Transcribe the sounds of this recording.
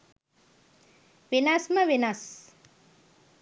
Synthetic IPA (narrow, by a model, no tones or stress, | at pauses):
ʋenɐsməʋenɐs